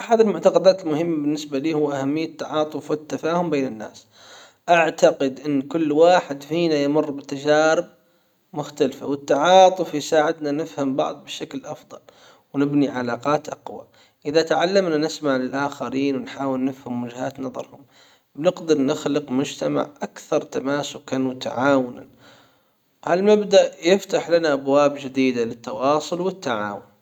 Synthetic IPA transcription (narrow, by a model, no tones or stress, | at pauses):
ʔaħad̪ɪlmʊʕt̪ɑqɑd̪aːt̪ɪlmʊhɪmːabɪnːɪsbaliːhʊwːʔahamːɪjːat̪ːaʕɑːt̪ˤʊfwɪt̪ːafaːhʊmbeːnɪnːa̰ːs | ʔaʕt̪aqɪd̪ʔɪnːkʊlːwaːħɪd̪fiːnajmʊrːbɪt̪ad͡ʒaːɾɪb̚ | mʊxt̪alfa̰wɪt̪ːaʕɑːt̪ˤʊfjsaːʕɪd̪nanɪfhambɑ̰ʕd̪ˤbɪʃaklʔɑfðˤɑ̰l | wnɪbniʕalaːqɑːt̪ʔɑqwa̰ | ʔɪðat̪aʕalːamnanɪsmaʕlɪlʔaːxaɾiːnwɪnħaːwɪlnɪfhamwad͡ʒhaːt̪nɑðˤɑ̰ɾˤhʊm | bnɪqd̪ɪɾˤnɪxlɪqmʊd͡ʒt̪ama̰ʕʔakθɑɾˤt̪amaːsʊkanut̪a̰ʕaːwʊna | halmabd̪aʔjɪft̪aħlanaʔabwaːbd͡ʒɪd̪iːd̪alɪt̪ːɑwɑːsˤʊlwɪt̪ːaʕa̰ːwʊn